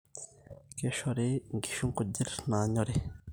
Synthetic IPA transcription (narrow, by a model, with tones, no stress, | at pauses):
ke˦ʃɔɾeŋɡi˨ʃu˦ŋko˨di˦ɾnaː˨ɲɔ˦ɾe